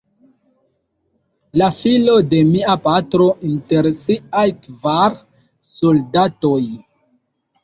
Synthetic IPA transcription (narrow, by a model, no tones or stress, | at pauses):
lafilo̞de̞miapatɾo̞ʔinte̞ɾsiajkvaɾ | soldatoj